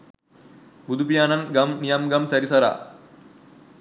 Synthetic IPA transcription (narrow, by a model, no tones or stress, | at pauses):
bud̪ʱupijaːnɐŋɡɐmnijɐmɡɐmsɐɾisɐɾa̰ː